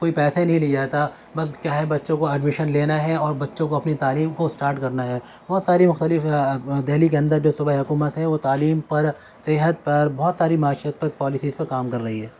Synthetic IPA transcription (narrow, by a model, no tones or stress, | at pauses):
koːipɛːsanɐɦĩlid͡ʒaːt̪a | bɐskjaːɦɛbɐtːʃõkoɛɖmɪʃənleːnaɦɛɔːɾbɐtːʃõkoɐpnit̪aːliːmkosʈaːɾʈkɐɾnaɦɛː | bɔːt̪saːɾimʊxt̪əlɪfd̪eɦlik̬eɐ̃nd̪əɾd͡ʒoːsʊbaiɦʊkuːmət̪ɦɛ̃ʋot̪aːliːmpɐɾ | sɪɦət̪̚pɐɾbɔːt̪saːɾimaːʃiət̪̚pɐɾpɔːlɪsiːzpɐɾkaːmkɐɾːɐɦiɦɛː